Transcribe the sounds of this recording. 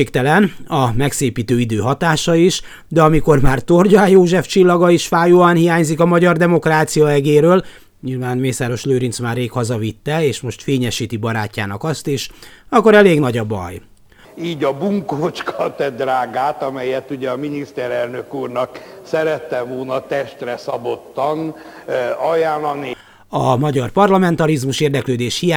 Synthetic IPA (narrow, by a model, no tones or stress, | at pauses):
ekt̪ɛlɛnɒmɛkseːpiːt̪øːid̪øːɦɒt̪aːʃɒiʃ | d̪ɛɒmiko̞rmaːrt̪o̞rɟɒjoːʒɛft͡ʃilːɒɡɒiʃfaːjoːanhijaːɲzikɒmɒɟɒrd̪ɛmo̞kraːt̪sijɒɛɡeːɾøːl | ɲiːlvaːnmeːsaːɾo̞ʃløːɾint̪smaːreːkhɒzɒvit̪ːɛeːʃmo̞ʃt̪feːɲɛʃiːt̪ibɒɾaːcːa̰ːnɒ̰kɒst̪iʃɒkːoɾɛleːɡnɒɟɒbɒ̰j | iːɟɒbuŋkoːt͡ʃkʰɒt̪ɛd̪raːɡaːt̪ɒmɛjɛt̪ːuɟɛɒminist̪ɛɾɛlnøkuːrnɒksɛɾɛt̪ːɛmoːnɒt̪ɛʃt̪rɛsɒbot̪ːɒn | ɒjaːlːɒni | ɒmɒɟɒrpɒrlɒmɛnt̪ɒɾizmuʃeːrd̪ɛkløːd̪eːʃhija